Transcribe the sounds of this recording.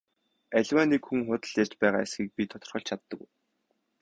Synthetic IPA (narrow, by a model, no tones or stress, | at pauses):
æɮʲwaːnikxuŋχʊt̪ə̆ɮjar̥t͡ɕpæːʁa̰ːesɡʲiːk̚pʲit̪ʰɔt̪ɞ̆rχɞ̆ɬt͡ɕʰat̪ːə̆kuj